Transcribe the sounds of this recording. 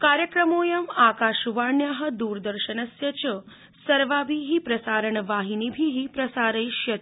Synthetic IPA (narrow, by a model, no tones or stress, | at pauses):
kaːɾjəkɾəmoːjɐmakaːʃuʋaɳjaɦə̆d̪uːɾd̪əɾʃənɐsjɐt͡ʃə | sɐɾʋabʱiɦipɾɐsaːɾəɳʋaːɦinibʱiɦipɾɐsaːɾəjʃjɐt̪